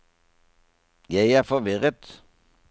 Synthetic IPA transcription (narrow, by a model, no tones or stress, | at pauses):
jæɪæːʁfɔʋɪʁət̪